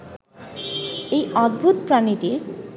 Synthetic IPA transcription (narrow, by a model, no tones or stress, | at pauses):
ejɔd̪̚bʱut̪pɾaniʈiɾ